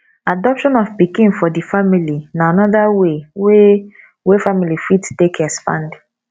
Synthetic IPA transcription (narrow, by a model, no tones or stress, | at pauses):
adɔpʃɔ̃nɔvpikĩnfɔdifamilinaanɔðawewe | wefamilifittekʰɛspã̰nd